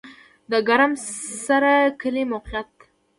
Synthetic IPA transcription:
d̪əɡaɾamsaɾakəlemawqijat̪

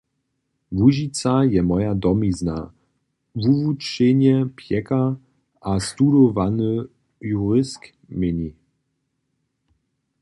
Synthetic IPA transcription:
vuʑit͡sajɛmɔjadɔmizna̰ | vuvut͡ʃeɲɛpʰjɛka | ast̪udɔvanə | juʁɪsk | mɪɲi

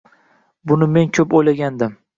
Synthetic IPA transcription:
bʊnɪme̞nkʲʰɵpojlaɡʲand̪ɪm

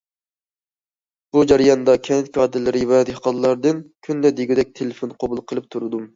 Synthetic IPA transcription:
b̥ud͡ʒæɾijɑnd̪ɑkʲʰɛnɪt̪̚kʲɑːd̪ɨɾlɪɾɪvɛd̪ehqɑnlˠɑɾd̪ɨnkʲʰynd̪ɛd̪eɡʲud̪ɛk̚ʲt̪ʰelefonqʰobulˠqʰəlˠɨp̚t̪ʰuɾɨd̪um

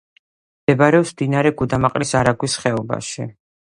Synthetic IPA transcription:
md̪̥ɛbaɾɛɔpsmd̪inaɾɛɡud̪amaqʼɾisaɾaɡwisχɛɔba̰ʃḭ

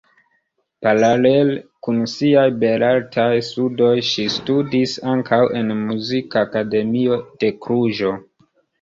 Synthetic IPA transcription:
paɾalelkunsiajbe̞ɾaltʰajstudo̞jʃistudisaŋkʰawe̞nmuzikaːkade̞mio̞d̥e̞kɾuʒo̞

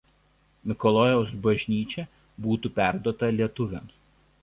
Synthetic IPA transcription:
mʲɪkɔlˠɔːjɛʊsbɐʒʲnʲiːt͡ʃʲɛ | buːt̪uːpʲæˑɾd̪uɔt̪ɐlʲiɛt̪ʊʋʲɛˑms

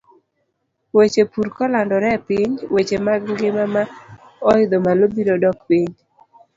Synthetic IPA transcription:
wet͡ʃepuɾkɔlandɔɾɛpɪɲwet͡ʃemaɡŋɡɪmama | ɔɪd̪ɔmalobiɾodɔkpiɲ

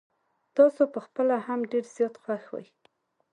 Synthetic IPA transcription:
t̪ɑsopəxpəlahamɖeɾz̥jɑt̪xwaxwa̰j

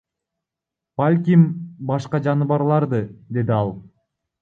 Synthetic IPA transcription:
b̥alʲkʲimbɑʃqɑd͡ʒɑnɯβɑɾlˠɑɾd̪ɯd̪e̞d̪iɑlˠ

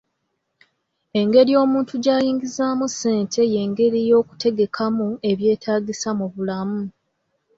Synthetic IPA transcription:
e̞ŋɡe̞ɾijo̞ːmuːntuɟaːjiːŋɡizaːmuse̞ːntʰe̞je̞ŋɡe̞ɾijo̞ːku̥te̞ɡe̞kʰamue̞βje̞ːtʰaːɡisamuβulamu

